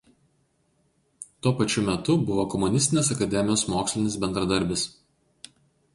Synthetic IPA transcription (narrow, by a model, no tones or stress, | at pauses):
t̪uɔpɐt͡ʃʲʊmʲɛt̪ʊbʊʋoːkɔmʊnʲɪsʲt̪ʲɪnʲeːsɐkɐd̪ʲɛmʲɪjoːsmoːksʲlʲɪnʲɪsbʲɛnd̪ɾɐd̪ɐɾʲbʲɪs